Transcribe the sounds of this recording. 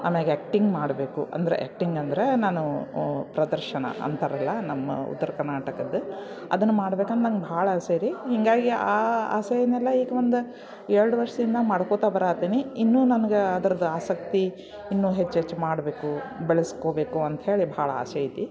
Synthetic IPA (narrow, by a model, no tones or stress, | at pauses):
ɐmeɡeːk̚ʈiŋɡmaːɽbe̞ːkṵʔɐ̰nd̪ɐɾḛʔḛk̚ʈiŋɡɐnd̪ɐɾenaːnupɾɐd̪ɐɾʃɐnɐ̰ʔɐ̰nt̪ʰɐɾɐlːɐnɐmːɐ̰ṵt̪ːɐɾɐkɐɾnaːʈɐkɐd̪ɨ | ɐ̰d̪ɐnːumaːɽɐbeːkɐnd̪ɐnɐnɡebʱaːɭɐseːɾiɦiŋɡaːɡiaːa̰ːsɐjɐnːɛlːɐiːɡeond̪u | eɾɐɽuʋɐɾʂɐd̪ind̪ɐmaːɽkot̪aːbɐɾaːt̪iniinːuːnɐnɐɡeɐd̪ɐɾɐd̪uaːsɐkt̪i | inːuːɦet͡ʃːɦet͡ʃːmaːɽbe̞ːku | beɭɐskoːbe̞ːkuɐnt̪ɦe̞ːɭibʱɐaːɭɐa̰ːsɐjit̪i